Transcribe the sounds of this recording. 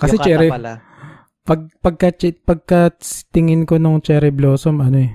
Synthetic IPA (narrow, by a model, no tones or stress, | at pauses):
kɐsɛt͡ʃɛɾɛ | pɐɡ̚pɐɡ̚kɐt͡ʃɛpɐɡ̚kɐt̪ɪŋɪnkonoŋt͡ʃɛɾɪbloːsomɐnoɛ